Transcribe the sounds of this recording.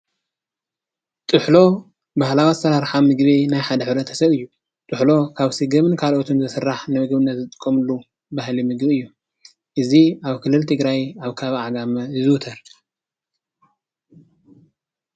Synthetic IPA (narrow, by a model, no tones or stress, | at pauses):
t̪ʼɨħlo̞ | bahlawasɐɾaɾħamɨɡβinajħad̪ɐħɨβɾɐt̪ʰɐsɐβɨjːu | t̪ʼɨħlo̞kʰaβsɨɡɐmɨnkʰalʔot̪ʰomzɨsɨrːaħnɨmɨɡβɨnːɐt̪zɨt̪ʼɨ̥kʼːɐmɨlːu | bahlimɨɡbiɨjːu | ʔɨziaβkʰɨlːɨlt̪ʰɨɡɾajaβkʰaβʕaɡamɐzɨwt̪ʰɐɾ